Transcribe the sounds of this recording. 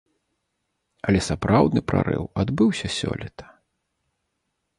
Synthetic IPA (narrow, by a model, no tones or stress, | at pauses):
ɐlʲɛsapɾawd̪nɨpɾa̰ɾɨ̰wad̪bɨwsʲɐsʲɔ̰lʲit̪ʰɐ̥